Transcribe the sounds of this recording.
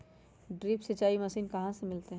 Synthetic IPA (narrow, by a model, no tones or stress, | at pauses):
ɖɾiːpsɐt͡ʃaːimɐsiːnkɐɦãsemɪlt̪eɦɛ̃